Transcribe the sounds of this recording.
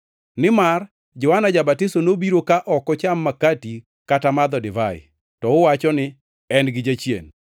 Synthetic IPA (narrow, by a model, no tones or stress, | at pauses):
nɪmar | d͡ʒɔwanad͡ʒabatɪsɔnobiɾokaʔɔkɔt͡ʃamːakati | katamad̪ɔdɪvaɪ̰ | tɔʊwat͡ʃɔnɪ | ɛnɡɪd͡ʒat͡ʃjḛn